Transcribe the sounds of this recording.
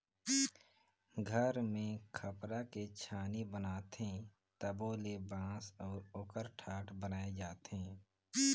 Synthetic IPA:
ɡʱəɾmẽkʰəpɾaket͡ʃʰaːnibənaːt̪ẽ | t̪əboːlebãːsɔːɾoːkəɾʈʰaːʈʰbənaːed͡ʒaːt̪ɦɛ̃ː

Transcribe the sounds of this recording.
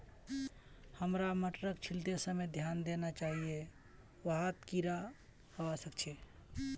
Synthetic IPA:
həmɾaməʈɾəkt͡ʃʰilt̪esəmed̪ʱjand̪enat͡ʃaɦie | ʋəɦat̪kiɾa | həbasəkt͡ʃʰɛ

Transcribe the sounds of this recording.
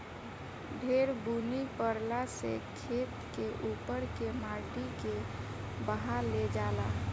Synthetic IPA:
bʱeːɾbunipəɾlasekʰeːt̪keʔuːpəɾkemaːʈike | bəɦaɾled͡ʒaːla̰

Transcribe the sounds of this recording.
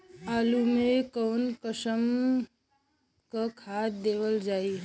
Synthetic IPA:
aːlumẽkɔːnkəsəm | kakʰaːt̪̚d̪eːʋəld͡ʒaːi

